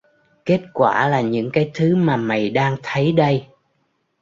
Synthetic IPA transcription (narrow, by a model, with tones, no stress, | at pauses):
ke˦˥t̚kwaː˧˩laː˨˩ɲɨ̰˧˥ŋkaː˨˦jt̪ʰɨ˨˦maː˨˩ma˨˩jɗaː˧ŋt̪ʰə˨˦jɗə˧j